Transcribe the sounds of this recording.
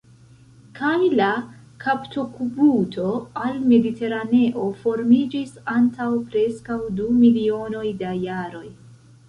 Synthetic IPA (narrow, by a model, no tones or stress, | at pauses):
kajla | kʰaptokubutʰo̞alme̞ditʰe̞ɾane̞ʔo̞fo̞ɾmid͡ʒisantawpɾe̞skawdumilio̞no̞jdajaɾo̞j